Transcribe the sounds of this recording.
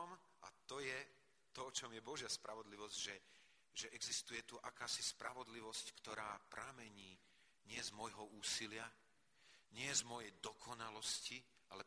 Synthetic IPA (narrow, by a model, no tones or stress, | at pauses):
m | at̪ɔjɛ | t̪ɔt͡ʃɔmjɛbɔʒɪaspɾaʋɔd̪liʋɔzɟʒɛ | ʒɛʔɛɡzist̪ujɛt̪uʔakaːsispɾʔaʋɔd̪liʋɔsckt̪ɔɾaːpɾamɛɲiː | ɲɪɛzmɔjɦɔuːsilɪa | ɲɪɛzmɔjɛjd̪ɔkʰɔnalɔsci | ʔalɛ